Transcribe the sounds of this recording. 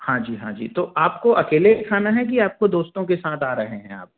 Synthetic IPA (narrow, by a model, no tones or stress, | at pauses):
hãːd͡ʒiːɦãːd͡ʒḭːt̪oʔaːpkoʔɐkeːlekʰaːnaɦɛkiaːp̚kod̪oːst̪õkesaːt̪ʰaːɾɐɦeɦɛ̃a̰ːp̚